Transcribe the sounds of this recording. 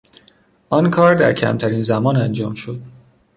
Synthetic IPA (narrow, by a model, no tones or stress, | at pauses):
ʔɒnkʰɒːɾd̪æ̰ɾcʰæ̰mt̪ʰæɾinzæmɒːnænd͡ʒɒːmʃod̪̥